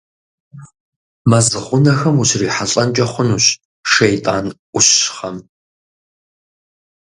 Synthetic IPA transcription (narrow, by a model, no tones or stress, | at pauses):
mɐzɨʁʷʊnɐxɐmuɕriːħaɬʼɐnt͡ʃʼɐχʷʊnuːɕ | ʃejtʼaːnʔʷʊɕχɐm